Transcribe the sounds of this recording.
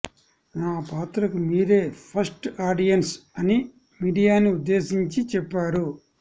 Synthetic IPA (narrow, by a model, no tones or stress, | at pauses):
naːpaːt̪ɾɐkumiːɾe̞ːpʰɐɾsʈaːɖijɐnsɐni | miːɖijaːniud̪ːe̞ːsiɲt͡ʃit͡ʃɛpːaːɾu